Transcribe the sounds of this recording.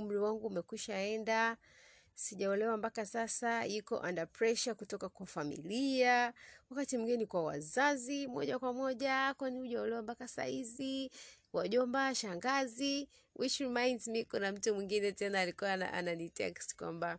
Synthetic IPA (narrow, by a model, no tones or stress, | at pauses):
um̩ɾiwaŋɡuːmɛkwiʃaɛnda | siʄaɔlɛwambakasasajikɔ̰ʔandapɹɛʃakutɔkakwafamḭliawakatim̩ɡɛnikwawa̰zazimɔ̰ʄakwamɔʄakwɛniuʄaɔlɛwampakasa̰hizi | waʄɔmbaʃaŋɡazi | wʔit͡ʃɾimajnzmikunam̩tumwiŋɡinɛtɛnaːlikuwana̰ʔa̰nanitɛ̰kstkwa̰mba